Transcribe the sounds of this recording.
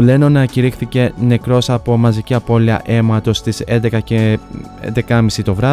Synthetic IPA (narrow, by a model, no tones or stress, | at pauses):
le̞nonɐciɾixθice̞ne̞kɾo̞sɐpo̞mɐziciɐpo̞liɐ̰ʔe̞mɐt̪o̞st̪ise̞nd̪e̞kɐce | ḛnd̪e̞kɐmisit̪o̞vɾɐ